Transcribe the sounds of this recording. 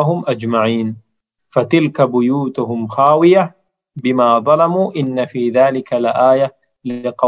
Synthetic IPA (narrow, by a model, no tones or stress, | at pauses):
ɦʊmʔad͡ʒmaʕiːn | fat̪ɪlkabʊjuːt̪ʊɦʊmxaːwɪja | bɪmaːðˤɑlɑmuːʔɪnːafiːðaːlɪkalʔaːja | lɪqɑ